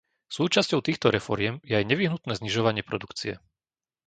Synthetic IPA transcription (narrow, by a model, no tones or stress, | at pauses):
suːt͡ʃascɔʊt̪iːxt̪ɔɾɛfɔɾɪɛmjɛajɲɛʋiɦnut̪nɛːzɲiʒɔʋaɲɪɛpɾɔd̪ukt͡siɛ̰